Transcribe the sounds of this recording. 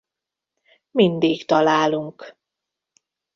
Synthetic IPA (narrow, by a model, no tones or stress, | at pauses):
mind̪iːkt̪ɒlaːluŋk